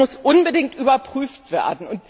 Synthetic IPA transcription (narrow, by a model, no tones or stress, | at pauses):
ʊsʔʊnbədɪŋtʔyːbɐpʁ̥yːftv̥ḛːɐdn̩ʊnt